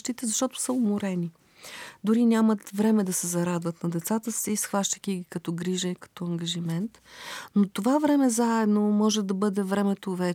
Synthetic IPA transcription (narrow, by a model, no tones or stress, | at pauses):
ʃt̪it̪ɛzɐʃt̪ɔt̪ʊ̥səʊmoɾɛni | d̪ʊɾinʲamət̪vɾɛmɛd̪ɐsɛzɐɾad̪vət̪nɐd̪ɛt̪sat̪əsiːsxvaʃt̪əkiɡikɐt̪ɔɡɾiʒɐikɐ̥t̪ɔɐŋɡɐʒimɛnt̪not̪ovavɾɛmɛzaɛd̪nomɔʒɛd̪ɐbɤd̪ɛvɾɛmɛt̪ovɛ